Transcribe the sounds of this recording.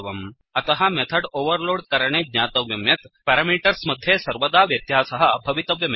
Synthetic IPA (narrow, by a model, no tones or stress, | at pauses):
ʋɐm | ɐt̪ɐɦamɛt̪ʰəɖoʋəɾloːɽkɐɾɳ̃eːd̪ɲaːt̪ɐʋjɐmjɐt̪pæɾamiʈəɾsmɐd̪ʱjesɐɾʋəd̪aːʋjɐt̪jasɐɦɐbʱɐʋit̪ɐʋjɐm